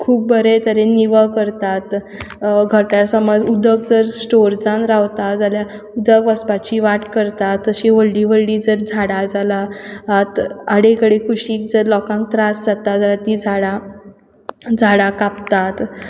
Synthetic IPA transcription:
kʰuːp̚bʱəɾet̪əɾeniʋəkəɾt̪at̪ | ɡʱəɾʈjaɾsəməd͡zud̪əkd͡zəɾsʈoɾd͡zanɾaʋt̪ad͡zalja | ud̪əkʋəspat͡ɕiʋaʈkəɾt̪at̪ːəɕiʋəɭɖiʋəlɖid͡zəɾd͡zʱaɽad͡zalaːt̪aɽekəɽekʰuɕiːk̚d͡zəɾlɔkãŋk̚t̪ɾasd͡zat̪ad͡zəɾat̪id͡zʱaɽa | d͡zʱaɽakapt̪at̪

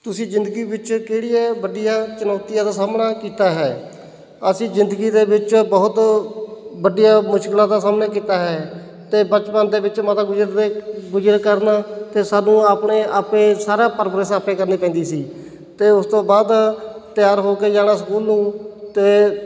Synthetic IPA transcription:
t̪ʊsĩːd͡ʒɪnd̪əɡiːbɪt͡ʃkeːɽijaːbəɖijaːt͡ʃənɔːt̪ɪjãːd̪aːsaːmnaːkiːt̪aːɦɛː | əsĩːzɪnd̪əɡiːd̪eːʋɪt͡ʃbəɦʊt̪ | bəɖijaːmʊʃkɪlãːd̪aːsaːmnaːkiːt̪aːɦɛː | t̪eːbət͡ʃpaːnd̪eːbɪt͡ʃmat̪aːɡʊd͡ʒɾeɡʊd͡ʒɾəkəɾnaːt̪eːsaːnũːaːpɳeːʔaːpẽːsaːɾaːpəɾpɾəsaːpeːkəɾneːpɛ̃ːnd̪iːsiː | t̪eːʊst̪õːbaːd̪t̪ɪjaːɾɦoːkeːd͡ʒaːɽ̃aːsəkuːlnũːt̪eː

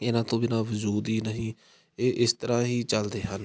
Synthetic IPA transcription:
ɪnãːt̪õːbɪnãːʋʊd͡ʒuːd̪iːnəɦĩː | eːʔɪst̪əɾãːɦiːt͡ʃəld̪eːɦən

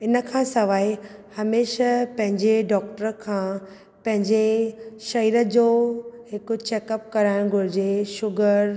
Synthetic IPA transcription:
ɪnəkʰãːsɐʋaːihɐmeːʃəpɐ̃ɦɪ̃ɲd͡ʑeɖɔːkʈəɾəkʰãː | pɐ̃ɦɪ̃ɲd͡ʑeʃɐiːɾəd͡ʑoːɦɪkʊt͡ɕeːkəp̚kɐɾaːɪɽ̃ɡʱʊɾɪd͡ʑeʃʊɡəɾ

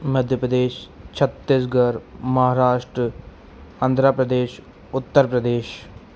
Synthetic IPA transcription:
mɐd̪ʱjəpɾəd̪eːʃt͡ʃʰɐt̪ːɪsɡɐɾmɐɦaːɾaːʃʈɾə | ãːnd̪ʱɾaːpɾɐd̪eːʃ | ʊt̪ːəɾpɾɐd̪eːʃ

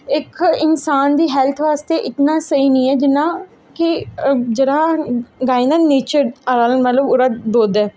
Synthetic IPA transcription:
ɪkɪnsaːnd̪iːɦɛːlt̪ʰʋaːst̪eːʔɪt̪nãːsəiːnĩːɛːd͡ʒɪnːãː | kɪd͡ʒeɽãːɡaːinãːneːt͡ʃəɾaɾaːlənmət̪ləbʊɾaːb̪oːd̪ɛː

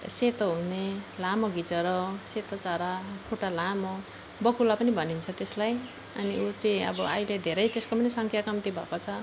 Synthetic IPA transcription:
set̪oɦunelamoɡit͡sʌɾʌset̪ʌt͡saɾapʰuʈalamo | bʌkulapʌnibʱʌnint͡sʰʌt̪eslaj | ʌniut͡sʌĩʌ̰bʌajled̪ʱeɾʌjt̪eskopʌnisʌŋkʰjakʌmt̪ibʱʌ̰kot͡sʰʌ

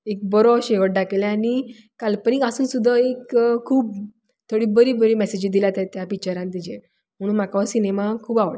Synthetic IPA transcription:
ek̚bɔɾɔɕeɡəʈ̚ɖakelẽani | kalpənikasuːnsud̪ʱːaekkʰːuːp̚ | t̪ʰoɽiːbəɾibəɾiːmɛsed͡ʑid̪ilat̪ɛt̪japit͡ɕaɾãnt̪id͡ʑẽ | m̤əɽ̃uːnm̤akasinemakʰuːbaʋɭa

